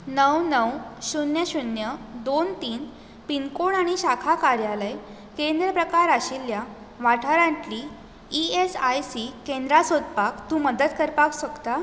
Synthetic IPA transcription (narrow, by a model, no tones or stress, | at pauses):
nəwnəwɕunjəɕunjəd̪ont̪iːn | piŋkoɳaɽ̃iɕakʰakaɾjaləj | kend̪ɾəpɾəkaɾaɕilja | ʋaʈʰaɾãnʈ̪liː | esajsikend̪ɾasod̪pakt̪ũːməd̪ət̪kəɾpaksəkt̪a